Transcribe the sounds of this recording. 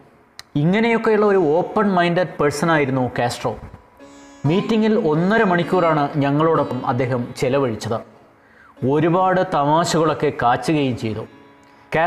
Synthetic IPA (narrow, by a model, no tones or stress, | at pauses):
iŋːɐne̞jo̞kːe̞juɭːɐo̞ɾuo̞ːpːɐnmɐjndɐdpeɻsɐnaːjiɾunːukaːsʈroː | miːtːiŋɡilo̞nːɐɾɨmɐɳikʲːuːraːɳɨɲɐŋːɐɭoːɽepːɐmɐ̰d̪ːe̞ːɦɐmt͡ɕelɐʋɐɻit͡ɕːɐðɨ | o̞ɾubaːɽɨt̪ɐmaːɕɐɣɐɭo̞kːe̞kaːt͡ɕːuɣɐjumt͡ɕe̞jt̪ṵ | kaː